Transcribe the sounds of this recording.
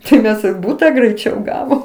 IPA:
tɐɪ ˈmʲɛs ɪr ˈbuːtɐ ɡrʲɛɪˈt͡ʃʲɛʊ ˈɡɑːʋoːm

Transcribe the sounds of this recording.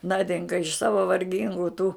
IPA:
ˈnɑːdʲɪŋkɐ ɪʃ ˈsɑːʋɐ ʋɐrʲˈɡʲɪŋɡʊ tuː

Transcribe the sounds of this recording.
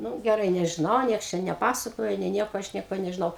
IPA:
ˈnʊ ɡʲɛˈrɐɪ nʲɛʒʲɪˈnɐʊ ˈnʲiɛks ˈt͡ʃʲɛ nʲɛˈpɑːsɐkoːjɛ nʲeː ˈnʲiɛkoː ˈɐʃ ˈnʲiɛkoː nʲɛʒʲɪˈnɐʊ

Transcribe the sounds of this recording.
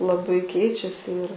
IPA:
lˠɐˈbɐɪ ˈkʲɛɪt͡ʃʲɛsʲɪ ɪr

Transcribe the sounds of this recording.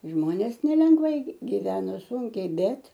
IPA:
ˈʒmoːnʲeːs nʲɛlʲɛŋɡˈʋɐɪ ɡʲɪ ɡʲɪˈʋʲæːnoː ˈsʊŋʲkʲɛɪ ˈbʲɛt

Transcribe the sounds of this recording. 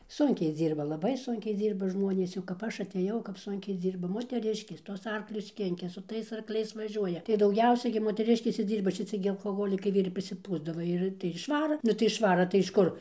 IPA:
ˈsʊŋʲkʲɛɪ ˈd͡zʲiːrbɐ lˠɐˈbɐɪ ˈsʊŋʲkʲɛɪ ˈd͡zʲiːrbɐ ˈʒmoːnʲeːs jɛʊ kɐp ˈɐʃ ɐˈtʲeːjɛʊ kɐp ˈsʊŋʲkʲɛɪ ˈd͡zʲiːrbɐ moːtʲɛˈrʲɪʃʲkʲeːs ˈtuɔs ˈɐrklʲʊs ˈkʲɪŋʲkʲɛ sʊ ˈtɐɪs ɐrkˈlʲɛɪs ʋɐˈʒʲuɔjɛ tɐɪ dɐʊˈɡʲɛʊsʲɛɪ ɡʲɪ moːtʲɛˈrʲɪʃʲkʲeːs ɪr ˈd͡zʲiːrbɐ ʃʲɪˈt͡sʲɪ ɡʲɪ ɐlˠkoːˈɣoːlʲɪkɐɪ ɪr pʲrʲɪsʲɪˈpuːzdɐʋɐ ˈɪr tɐɪ ɪr ɪʃˈʋɑːrɐ ˈnʊ tɐɪ ɪʃˈʋɑːrɐ tɐɪ ɪʃ ˈkʊr

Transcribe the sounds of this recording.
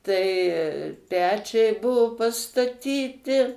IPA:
tɐɪ ˈpʲæːt͡ʃʲɛɪ ˈbuɔ pɐstɐˈtʲiːtʲɪ

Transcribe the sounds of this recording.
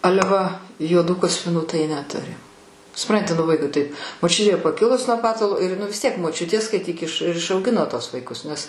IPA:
ˈɑːlʲɛ ʋɐ juɔˈduː kɐsʲpʲɪˈnuː tɐɪ nʲɛˈtʊrʲɪ sʊˈprɐnʲtʲɪ nʊ ˈʋɐɪkʊɪ tɐɪp moːˈt͡ʃʲʊtʲeː pɐˈkʲɪlˠʊs nuɔ ˈpɑːtɐlˠoː ɪr ˈnʊ ʋʲɪs ˈtʲiɛk moːˈt͡ʃʲʊtʲeː skɐɪˈtʲiːk ɪʃ ɪr ɪʃɐʊˈɡʲɪnoː ˈtuɔs ʋɐɪˈkʊs nʲɛs

